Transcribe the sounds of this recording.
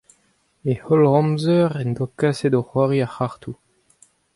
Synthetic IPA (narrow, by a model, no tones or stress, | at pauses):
ehɔlʁɔ̃mzœʁɛnd̪ɔkased̪oχwaʁiaχaʁt̪u